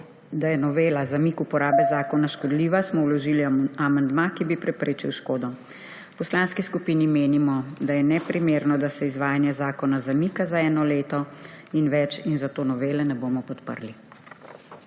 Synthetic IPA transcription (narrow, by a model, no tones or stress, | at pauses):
d̪ajɛnɔʋeːlazamikupɔɾaːbɛzaːkɔnaʃkɔd̪liːʋasmɔwlɔʒiliamand̪makibipɾɛpɾeːt͡ʃiwʃkoːd̪ɔ | pɔslanskiskupinimeːnimɔd̪ajɛnɛpɾimeːɾnɔd̪asɛizʋaːjanjɛzaːkɔnazamikazaɛːnɔleːt̪ɔinʋɛt͡ʃinzat̪oːnɔʋeːlɛnɛboːmɔpɔt̪pə̰ɾli